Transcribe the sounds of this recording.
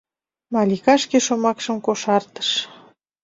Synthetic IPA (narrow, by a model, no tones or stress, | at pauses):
mɑlʲikɑʃkeʃomɑkʃəmkoʃɑrt̪ə̥ʃ